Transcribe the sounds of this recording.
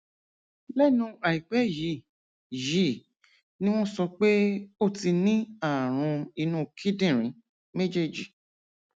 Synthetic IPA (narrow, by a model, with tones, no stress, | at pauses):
lɛ˦˨nũ˧a˨i˨k͡pɛ˨˦ji˨˦˨ | ji˨˦˨ | nĩ˦w̃ɔ̃˦sɔ˧k͡pe˦o˦˨ti˧nĩ˦a˦˨ɾ̃ũ˧i˧nũ˦˨kʰi˦dĩ˦˨ɾ̃ĩ˨˦ | me˦d͡ʒe˦˨d͡ʒi˨